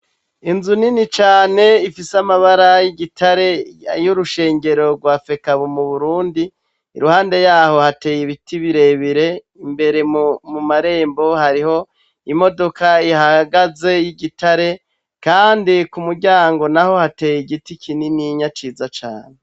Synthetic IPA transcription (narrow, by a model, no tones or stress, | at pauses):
inzuninit͡ʃaːne̞ifisamaβaɾajiɟitʰaɾe̞juɾuʃe̞ːŋɟe̞ɾo̞ɾɡwaːfe̞kaβomuβuɾuːndiː | ɾuhaːnde̞jaːho̞hate̞ːjiβitʰiβiɾe̞βiɾe̞ | imbe̞ɾe̞mumaɾe̞ːmbo̞haɾiho̞ | imo̞do̞kaihaɡaze̞jiɟitaɾe̞ | kaːndikumuɾɟaːŋɡo̞naho̞hate̞ːjiɡitikʰininiɲat͡ʃiːzat͡ʃa̰ːne̞